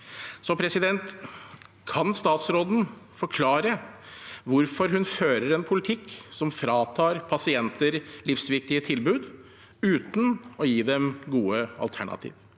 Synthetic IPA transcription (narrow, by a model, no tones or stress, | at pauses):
sɔpʰɾɛsɪd̪ɛnt̪ | kʰɑnst̪ɑːt̪sɾoːd̪n̩fɔɾkʰlɑːɾə | ʋʊɾfɔɾhʉnføːɾəɾɛnpʰʊlɪt̪ʰɪkːsɔmfɾɑːt̪ʰɑːɾpʰɑsɪɛnt̪əɾlɪfsʋɪk̚t̪ɪət̪ʰɪlbʉːd̪ | ʉːt̪n̩ɔjiːd̪ɛmɡuːəɑ̰lt̪ʰæɳɑ̰t̪ʰḭːʋ